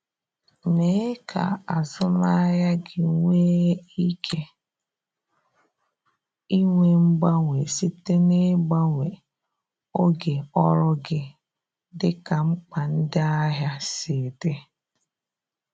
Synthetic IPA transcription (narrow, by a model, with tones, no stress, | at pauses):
ne˨˦kʰa̰˨a˨zʊ˦ma˦ja˦ɡɪ˨ŋʷeː˦i˦kʰe˦ | i˦ŋʷe˦m̩˦ɡ͡ba˦ŋʷe˨si˦te˦ne˦ɡ͡ba˦ŋʷe˨ | o˦ɡe˨ɔ˦ɾʊ˦ɡɪ˦ | dɪ˦ka˨ŋ͡m̩˦k͡pa˨n̩˦dɪ˦a˦ɦja˦sɪ˨de˦